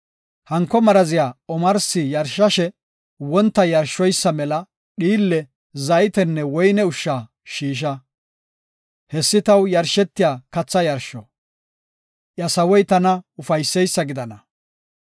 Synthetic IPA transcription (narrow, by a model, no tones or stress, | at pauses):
hɐŋkːɔmɐɾɐzɪjaːɔmɐɾsɪjɐɾʃːɐʃɛ | wɔnt̪ːɐjɐɾʃːɔjsːɐmɛlɐ | ɗiːlːɛ | zɐjt̪ɛnːɛwɔjnɛʊʃːaː | ʃiːʃ̬ɐ | hɛsːɪt̪ɐwjɐɾʃɛt̪ːɪjaːkɐt͡sːɐjɐɾʃːɔ | ʔjɐsɐwɔjt̪ɐnɐʊfɐjsːɛjsːɐɡɪd̪ɐnɐ